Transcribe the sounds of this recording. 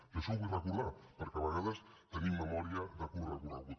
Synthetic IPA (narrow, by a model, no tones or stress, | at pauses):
əʃowβujrəkuɾðapəɾkɛβəɣaðəst̪ənimːəmɔɾiəðəkurəɣunəɣut̪